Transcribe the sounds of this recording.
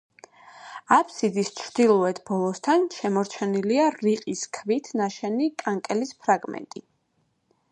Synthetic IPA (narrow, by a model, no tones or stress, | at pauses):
apʰsid̪ist͡ʃʰɾd̪ilˠɔɛt̪ʰbɔlˠɔst̪ʰanʃɛmɔɾt͡ʃʰɛniliaɾiqʼiskʰvit̪ʰnaʃɛnikʼaŋkʼɛlispʰɾaɡmɛ̰nt̪ʼḭ